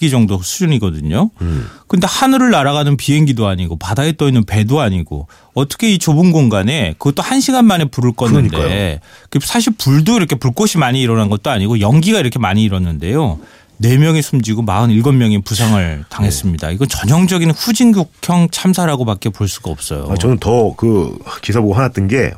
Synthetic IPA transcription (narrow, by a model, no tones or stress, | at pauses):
ɡid͡ʑʌŋdosʰud͡ʑuniɡʌdɯɲokɯnde̞hanɯɾɯɭnaɾaɣanɯnpiɦe̞ŋɡidoaɲiɡopadaet͈ʌinːɯnpe̞doaɲiɡo̰ | ʌt͈ʌ̥kʰe̞it͡ɕobunɡoŋɡane̞kɯɡʌt͈ohanɕʰiɡanmane̞puɾɯɭk͈ʌnːɯndeksʰaɕ̬ʰiɭpuɭdoiɾʌkʰe̞puɭk͈oɕʰimaɲiːɾʌnanɡʌt̚t͈oaɲiɡojʌŋɡiɡaiɾʌkʰemaɲiːɾʌnːɯnde̞jo | ne̞mjʌŋisʰumd͡ʑiɡomaɯniɭɡʌnmjʌŋipusʰaŋɯɭtaŋɦe̞s͈ɯmɲida̰iɡʌnt͡ɕʌɲʌŋd͡ʑʌɡinɸud͡ʑinɡjukʰjʌŋt͡ɕʰamsʰaɾaɡopak͈epoɭs͈uɡaʌp̚s͈ʌ̰jo̰at͡ɕʌnɯntʌkɯkisʰaboɦanat͈ɯnɡe̞̰